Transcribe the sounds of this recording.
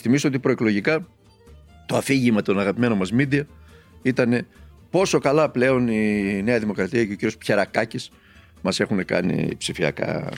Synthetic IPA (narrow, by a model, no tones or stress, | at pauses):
θimisoo̞t̪̬ipɾoeklo̞ʝikɐ | t̪o̞ɐfiʝimɐt̪o̞nɐɣɐpime̞no̞mɐzmid̪iɐ | it̪ɐne̞ | po̞so̞kɐlɐple̞o̞nine̞ɐðimo̞kɾɐt̪iɐce̞ociɾio̞spçe̞ɾɐkɐcis | mɐse̞xune̞kɐ̰nḭpsifiɐ̰kɐ̰